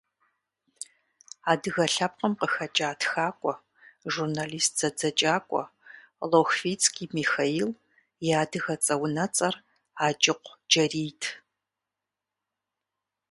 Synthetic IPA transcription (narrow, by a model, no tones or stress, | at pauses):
aːdɨɣɐɬɐp̚qɐmqəxɐt͡ʃʼaːtʰxaːkʷʼɔ | ʒurnaliːst̚ʰz̥ɐd͡zɐt͡ʃʼaːkʷʼɔ̰ | loxfit͡sʰʼkʰʼiːmixaiːl | jaːdɨɣɐt͡sʼɐwnɐt͡sʼɐr | aːd͡ʒʼɪqʷd͡ʒɐriːtʰ